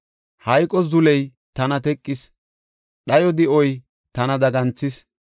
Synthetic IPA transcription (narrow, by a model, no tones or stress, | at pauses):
hɐjkʼɔzʊlɛj | t̪ɐnɐt̪ɛkʼːɪs | ɗɐjɔd̪ɪʔɔj | t̪ɐnɐd̪ɐɡɐnt͡sːɪs